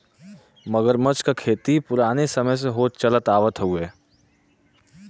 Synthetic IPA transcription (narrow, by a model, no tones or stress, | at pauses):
məɡəɾmət͡ʃkakʰeːt̪ipʊɾaːnesɐməjs̬eɦoːt̪t͡ʃɐlət̪aːʋət̪ɦueː